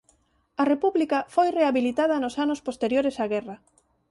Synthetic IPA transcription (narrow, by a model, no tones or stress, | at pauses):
ɐrepuβlikɐfojreaβilit̪að̞ɐnosanospost̪eɾjoɾesaɣɛrɐ